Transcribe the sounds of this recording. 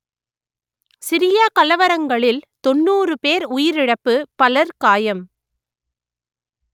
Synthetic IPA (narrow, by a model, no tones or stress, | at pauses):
sɪɾɪjakɐlɐʋɐɾɐŋɡɐɭɪlt̪ɔnːuːrɯpeːɾʊjɪɾɪɽɐpːɯpɐlɐɾkaːjɐm